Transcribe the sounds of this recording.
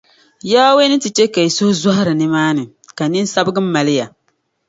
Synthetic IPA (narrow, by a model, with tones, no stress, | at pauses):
jaː˦we˦nɨ˦tɨ˨t͡ʃe˦ka˨i˨sʊ˦hʊ˦za˦ha˦ɾɨ˨nɨ˦maː˦nɨ˨ | ka˨nɨ˦n˦sa˦bɨ˦ɡɨ˦m̩ː˦a˨lɪ˦ja˨